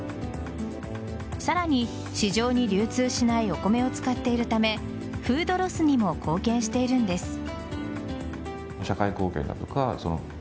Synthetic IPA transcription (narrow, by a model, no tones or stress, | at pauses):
saɾaɲ̟i | ɕiʑo̞ːɲ̟iɾʲɨːt͡sɨːɕinaio̞ko̞me̞o̞t͡sɨ̥kat̪ːe̞iɾɯ̟t̪ame̞ | ɸɯ̟ːd̪o̞ɾo̞sɨɲ̟imo̞kʰo̞ːkẽ̞ɰ̃ɕi̥t̪e̞iɾɯ̟̃nd̪e̞sɨ̥ | ɕakaiko̞ːkẽ̞̰nd̪a̰t̪o̞kaso̞̰no̰